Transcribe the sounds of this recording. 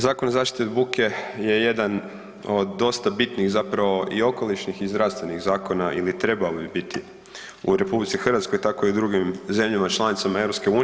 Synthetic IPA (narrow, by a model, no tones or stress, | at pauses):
zaːkonozaːʃt̪i̥t̪ed̪bukʰe̞je̞je̞d̪an | od̪d̪ːo̞st̪abit̪niɣzapɾaʋo̞ʔio̞ko̞lˠit͡ʃnixizd̪ɾast̪ʋe̞niɣzaːko̞naʔilit̪ɾe̞balbibit̪i | uɾe̞publit̪sixr̩ʋat̪sko̞jt̪ako̞iud̪ɾuɡimze̞mʎamat͡ʃlˠanit̪samae̞ʋɾopske̞uːn